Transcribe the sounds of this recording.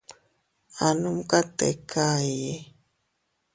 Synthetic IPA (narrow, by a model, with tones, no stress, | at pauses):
a˨nu˦mka˦t̪e˨kʰa˦je˦